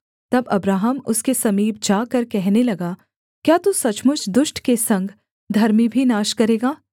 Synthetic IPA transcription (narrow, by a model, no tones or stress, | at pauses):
t̪ɐbɐbɾaːɦəmʊskesɐmiːb̚d͡ʒaːkɐɾkɛɦnelɐɡaː | kjaːt̪usɐt͡ʃmʊt͡ʃʰd̪ʊʃʈkesɐ̃ŋɡʱ | d̪ʱɐɾmibʱinaːʃkɐɾeːɡaː